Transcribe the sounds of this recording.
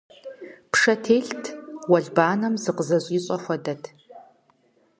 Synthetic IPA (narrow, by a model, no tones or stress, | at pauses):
pʰʂɐtʰeːɬtʰwɐɮbaːnɐmzɨqəzɐɕʼiɕʼɔxʷɐdɐtʰ